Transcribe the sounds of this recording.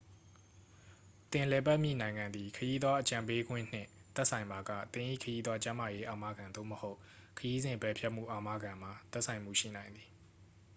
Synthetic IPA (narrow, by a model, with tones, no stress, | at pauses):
t̪ɪ̃˨lɛ˨ba˦ʔmjḭ˦˨nã˨ɪ̃ŋã˨nd̪i˨kʰəji˦d̪wa˦ʔət͡ɕã˨mpe˦ɡwɪ̰̃˦˨n̥ɪ̰̃˦˨t̪ɛ˦ʔsʰã˨ɪ̃mba˨ɡa̰˦˨t̪ɪ̃˨ʔḭ˦˨kʰəji˦d̪wa˦t͡ɕã˦ma˨je˦ʔa˨ma˦˨ɡã˨nd̪o̰˦˨məho˦ʊ | kʰəji˦zɪ̃˨mpɛ˨pʰjɛ˦ʔm̥ṵ˦˨ʔa˨ma˦ɡã˨m̥a˨t̪ɛ˦ʔsʰã˨ɪ̃m̥ṵ˦˨ʃḭ˦˨nã˨ɪ̃nd̪ði˨